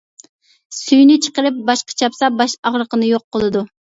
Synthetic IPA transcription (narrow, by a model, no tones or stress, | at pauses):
syjnɪt͡ʃʰə̥qəɾɨp̚bɑʃqɑ̥t͡ʃʰɑpsɑbɑʃɑʁɾəqənɨjoqːəlˠɨd̪u